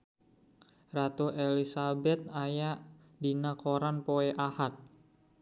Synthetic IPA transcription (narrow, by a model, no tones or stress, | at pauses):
rat̪uʔelisabɛt̪̚ajaʔ | dinakoɾanpoɛʔahat̪̚